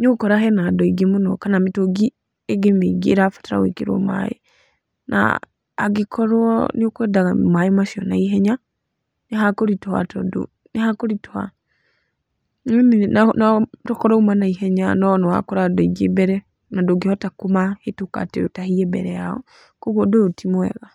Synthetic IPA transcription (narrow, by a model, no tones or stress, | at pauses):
ɲokɔɾaɦɛnadɔiɡemonɔkanametoɡi | eɡemeɡiːɾafḁtaɾa̰wḛkeɾɔ̰ma̰ḛ | nʔa̰ː | ɡekʰɔɾwɔneokwɛdaɣamaemaʃiɔnaiɦɛɲa | neɦakoɾitwa̰tɔdo̰ | nehakoɾitoa̰ | mnanatɔkɔɾɔumanaiɦɛɲanɔnɔa̰kɔɾadɔiɡebɛɾɛ | nadoɡihɔtakomahetoka̰tetahiɛbɛ̰ɾɛjaɔ̰ | koɣodootimwɛ̰ɣa